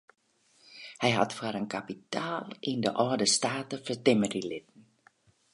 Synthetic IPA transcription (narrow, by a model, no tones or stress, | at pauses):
hɛjɦatfəɾənkapitaːlˠɪndəʔɔːdəstaːtəfərtɪmərilɪtən̩